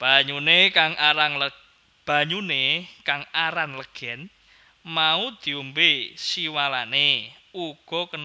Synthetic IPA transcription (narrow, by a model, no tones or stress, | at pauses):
b̥a̤ɲunekaŋʔaɾanlə | b̥a̤ɲunekaŋaɾanləɡ̥ɛ̤n | maud̪̥i̤umbesiwalane | uɡ̥ɔ̤kən